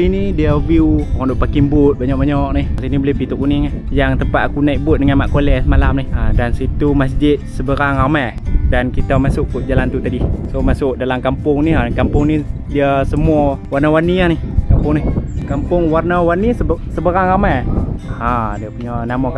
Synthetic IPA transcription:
inidiəwiukɔnduʔpakimbʊt̪̚baɲɔʔ̚baɲɔʔnihasinibolɪhbit̪uʔkunɪŋahjaŋt̪əmpaʔ̪kunaiʔbʊt̪̚dəŋanmaʔkolɛʔsəmalamnihadansit̪umas̬d͡ʒɪt̪̚səbəɾaŋama | dankit̪amasʊʔkuʔ̚d͡ʒalant̪ut̪adisomasʊʔ̚dalamkampʊŋniɦakampʊŋni | diəsəmuəwarnəwaniahnɪhkampʊŋnihkampʊŋwarnəwanissəbəɾaŋamahadiəpuɲɔnamɔka

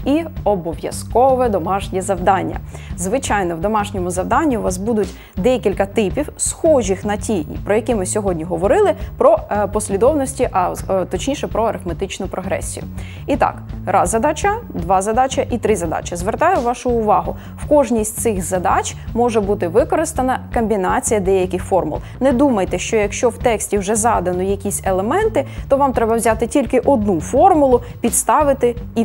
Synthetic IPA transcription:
iɔbɔʋjɐ̰skɔʋɛd̪ɔmɑʃnʲizɐwd̪ɑnʲːɐ̰zʋɪt͡ʃɑjnɔwd̪ɔmɑʃnʲɔmʊzɐwd̪ɑnʲːiʋɑs̬bud̪ʊtʲ | d̪ɛjkʲilʲkɐt̪ɪpʲiwsxɔʒʲixnɐtʲipɾɔjɐkʲimɪsʲɔɦɔdʲnʲiɦɔʋɔɾɪlˠɪpɾɔpɔsʲlʲid̪ɔwnɔsʲtʲiʔɐt̪ɔt͡ʃnʲiʃɛpɾɔɐɾɪfmet̪ɪt͡ʃnʊpɾɔɦɾɛ̰sʲːḭjʊ̰ | it̪ɑ̰kɾɑzɐd̪ɑt͡ʃɐd̪ʋɑzɐd̪ɑt͡ʃɐʔit̪ɾɪzɐd̪ɑ̰t͡ʃɐzʋert̪ɑjʊʋɑʃʊʊʋɑɦʊ | wkɔʒnʲisʲtʲtsɪxzɐd̪ɑt͡ʃʲmɔʒɛbut̪ɪʋɪkɔɾɪst̪ɐnɐkɔmʲbʲinɑt͡sʲijɐd̪ɛjɐkʲɪxfɔrmʊ̰lˠnɛd̪umɐjt̪ɛʃt͡ʃɔjɐkʃt͡ʃɔwt̪ɛksʲtʲiwʒɛzɑd̪ɐnɔjɐkʲisʲelˠemɛnt̪ɪt̪ɔʋɑmt̪ɾɛbɐwzʲat̪ɪtʲilʲkɪʔɔd̪nufɔrmʊlˠʊ | pʲit̪st̪ɑʋɪt̪ɪi

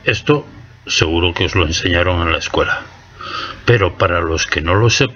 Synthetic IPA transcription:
e̞st̪o̞ | se̞ɣ̞uɾo̞keo̞zlo̞e̞nse̞ɲaɾo̞ŋẽ̞nlaeskwe̞la | pe̞ɾo̞paɾalo̞ske̞no̞lo̞sep

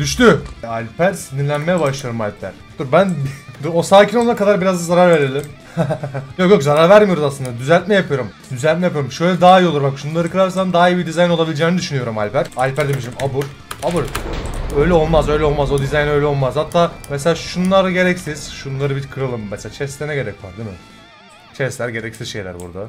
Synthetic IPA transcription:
d̪̥yʃt̪yalʲpʰæɾsiniɾlʲænmejɛbaʃlˠajoɾumalʲpʰæ̰ɾ̥t̪uɾbænbosaːcʰinolˠaɾakʰad̪aɾbiɾazd̪zaɾaɾve̞ɾeɾlʲim | jokjokzaɾaɾvæɾmijo̞ɾuzasˠɯnd̪ad̪yzælʲt̪mɛjapʰɯjo̞ɾumd̪yzælʲt̪mɛjapɯjoɾumʃø̞jlʲɛd̪aːijolˠuɾbakʃunlˠaɾɯkɯɾaɾs̬and̪aːijɯbid̪izajino̞lˠabilʲd͡ʒɛːnid̪yʃynyjo̞ɾuma̰lʲpʰæɾalʲpʰæɾd̪emiʃiɾimabuɾ | abuɾøjlʲɛo̞lˠmazø̞jlʲɛo̞lˠmazo̞d̪izajnø̞jlʲɛo̞lˠmazhat̪ʰːaːmeseaːʃunlˠaɾɟe̞ɾɛcsiz̥ʃunlˠaɾɯbiɾkʰɯɾalˠɯmːɛselaːt͡ʃʰɛst̪lʲenɛɟe̞ɾɛcva̰ɾd̪imɪ̰ | t͡ʃʰɛslʲæɾɟe̞ɾɛcsizʃe̞jlʲæ̰ɾbṵɾd̪a

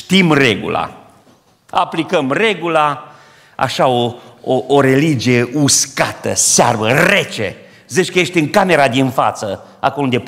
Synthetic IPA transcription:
ʃt̪imreɡṵla̰ | a̰plikəmre̞ɡula | a̰ʃaooʔoɾe̞lid͡ʒije̞ʔuskat̪ə̰searvəret͡ʃḛ | zit͡ʃkəjeʃt̪ʲɨŋkame̞ɾad̪infa̰t̪sə | a̰kolound̪e

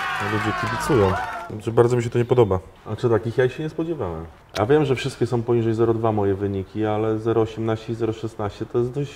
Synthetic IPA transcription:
ɔlud͡ʑɛkʲibʲit̪sujɔ̃w̃ʐɛbaɾd̪zɔmiɕ̬ɛt̪ɔɲɛpɔd̪ɔba | at͡ʂɨt̪akʲixjaiɕɛɲɛspɔd͡ʑɛvawɛ̰m | ja̰vʲjɛmʐɛfʂɘst̪kʲɛsɔ̃w̃pɔɲiʐɛjzɛɾɔd̪vamɔjɛvɘɲikʲialɛzɛɾɔːɕɛmnaɕt͡ɕɛizɛɾɔʂɛsnaɕt͡ɕɛt̪ɔjɛst̪d̪ɔɕt͡ɕ

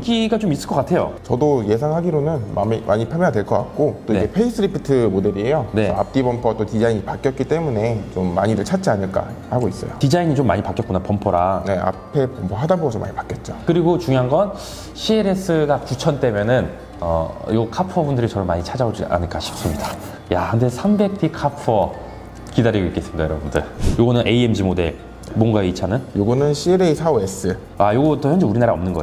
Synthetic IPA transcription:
ɡiɡat͡ɕomis͈ɯɭkʌkatʰe̞jo̰t͡ɕʌdoje̞s̬ʰaŋɦaɡiɾonɯnmammʔa̰ɲipʰjamjʌnadwe̞ɭk͈ʌk͈at̚k͈ot͈oid͡ʑepʰeis͈ʰɯɾipʰitʰɯmode̞ɾiejoneʌap̚t͈ibʌmpʰowat͈otid͡ʑaiɲipak͈jʌt̚k͈it͈e̞mune̞t͡ɕomːa̰ɲiɾɯɭt͡ɕʰat̚t͡ɕianɯɭk͈a̰haɡois͈ʌjo̰tid͡ʑaiɲit͡ɕomːa̰ɲipak͈jʌt̚konapʌmpʰoɾane̞a̰pʰe̞pʌmpʰoɦadaboɡʌsʰʌmʔa̰ɲipḁk͈jʌt̚t͡ɕ͈okɯɾiɡot͡ɕuŋiɦanɡʌn | ɕʰieɾe̞s͈ɯɡakut͡ɕʰʌnt͈e̞mjʌnɯn | ʌjoɡkʰapʰʌbundɯɾit͡ɕʌɾɯɭmaɲit͡ɕʰad͡ʑaod͡ʑia̰nɯɭk͈aɕʰi̥p̚s͈ɯmɲida | jahɯndesʰambe̞k̚t͈ʰikʰapʰʌ | kidaɾiɡoik͈e̞s͈ɯmɲidajʌɾʌbundɯ̰ɭjoɡʌnɯnʔe̞ie̞md͡ʑimode̞̰ | mwʌŋɡaeit͡ɕʰanɯnjoɡʌnɯnɕʰieɾeisʰaoes͈ɯ | ajoɡʌtʰʌçjʌnd͡ʑeuɾinaɾaʌmnɯnɡʌ̰e

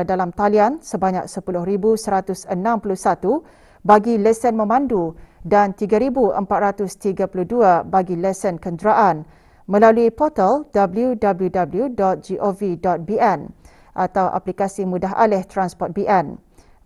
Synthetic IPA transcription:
dalamt̪aliansəbaɲa̰k̚səpulʊhɾibusəɾat̪ʊsənãmpulʊhsat̪u | baɡilɛsənmə̃mãndudant̪iɡaɾibuʔə̰mpat̪̚ɾat̪ʊst̪iɡapuluhduabaɡilɛsənkənd͡ʒɾaʔan | mə̃laluipɔt̪ald̥abəljudabljudabəljudɔt̪̚d͡ʒiʔovidɔt̪̚biɛn | ʔat̪awʔa̰plikasimũdaɦa̰lɪht̪ɾanspɔt̪̚biʔɛn

